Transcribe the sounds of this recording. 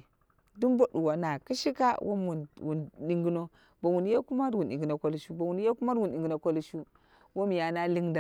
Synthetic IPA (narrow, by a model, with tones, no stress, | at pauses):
du˦mbo˦ɗu˨wa˨na˨ki˦ʃi˦ka˦wʔo̰˦mwu˨nwu˨nɗi˦ŋɡi˦no˦ | ba˨wu˨n˦ja˦ku˦ma˦ɾwu˨nɗi˨ŋɡi˨no˨ko˦lʃu˦ba˨wu˨n˦a˦ku˦ma˦ɾwu˨n˨i˨ŋɡi˨no˨ko˦lʃu˦ | wo˦m˨ja˨na˦li˦ŋda˨